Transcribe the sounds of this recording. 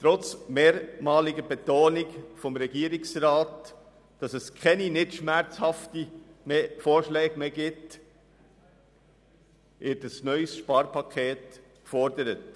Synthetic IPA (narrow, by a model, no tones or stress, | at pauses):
tɾɔt͡smeːɾmɑːlɪɡəbetoːnɪkfɔmɾɛɡiəɾɪksɾɑːt | d̥ɑsɛskʰɛninɪtʃmæɾt͡shɑftimefoːɾʃlɛːɡmeːɡɪt | ʋɪɾtəsnœʏsʃpɑːɾpɑkʰχeːt | kfɔɾdəɾət